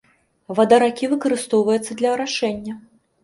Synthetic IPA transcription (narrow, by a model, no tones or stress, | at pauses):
vɐd̪ɐɾakʲivɨkɐɾɨst̪ɔwvɐjut̪sːɐd̪lʲɐɐɾaʂɛnʲːɐ